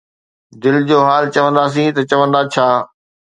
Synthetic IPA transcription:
d̪ɪld͡ʑoːɦaːlt͡ɕɐʋə̃nd̪aːs̬ĩt̪ɐt͡ɕɐʋə̃nd̪at͡ɕʰaː

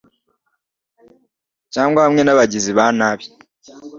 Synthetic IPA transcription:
caːŋɡwaβamŋe̞naβaɟiziβaːnaːβje

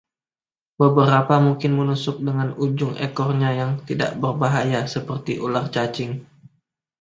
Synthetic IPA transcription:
bəbəɾapamuŋkɪnmənusʊk̚dəŋanud͡ʒʊŋḛkɔrɲajaŋt̪ida̰ʔbərbaɦajasəpərt̪iʔulart͡ʃat͡ʃɪŋ

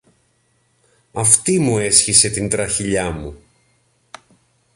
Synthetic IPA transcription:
ɐft̪imue̞sçise̞t̪int̪ɾɐçiʎɐmu

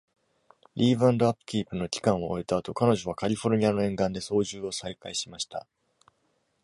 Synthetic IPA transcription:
ɾʲiːβãnd̪o̞apːɯ̟̥kʲiːpɯ̟no̞kʲi̥kãɰ̃oːet̪aːt̪o̞kano̞ʑo̞β̞akaɾʲiɸo̞ɾɯ̟ɲ̟ianoẽ̞ŋɡãnd̪e̞so̞ːʑɨːo̞saikaiɕimaɕi̥t̪a̰

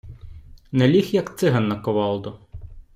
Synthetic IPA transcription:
nɛlʲixjɐkt̪sɪɦɐnːɐkɔʋɑlˠd̪ʊ

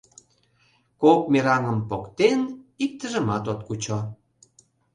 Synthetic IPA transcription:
kok̚meɾɑŋəmpokt̪enik̚t̪əʒə̆mɑt̪ot̪kut͡ɕo

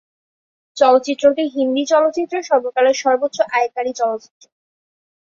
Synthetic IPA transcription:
t͡ɕɔlotːt͡ɕit̪ːɾoʈiɦind̪it͡ɕɔlot͡ɕit̪ːɾoʃɔbokaleɾʃɔɾbot̪ːɕoʔaekaɾit͡ɕɔlot͡ɕi̥t̪ːɾo

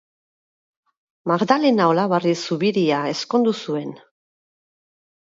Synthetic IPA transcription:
maɣd̪ale̞naolaβarisuβiɾiae̞sko̞nd̪usue̞n

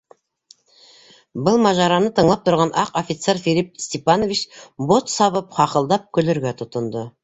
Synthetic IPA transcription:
bəlˠmɑʒɑɾɑnət̪ʰəɴlˠɑp̚t̪ʰʊɾʁɑnʔɑqofʲit̪seɾfelʲip̚st̪epɑnovit͡ʃbo̞t̪sɑβəpqʰɑqəlˠd̪ɑp̚kʲʰɵlɵɾɡʲet̪ʰʊt̪ənd̪ə

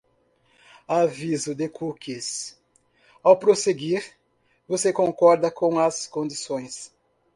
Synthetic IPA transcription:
avizʊd̪ekukis | awpɾoseɡiɾ | vosekõŋkɔɾd̪ɐkõw̃ɐskõnd̪isõj̃s

